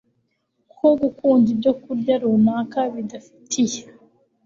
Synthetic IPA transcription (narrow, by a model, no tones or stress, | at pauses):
kʰoɡukuːɲɟidokudaɾumakaβid̪afi̥tʰije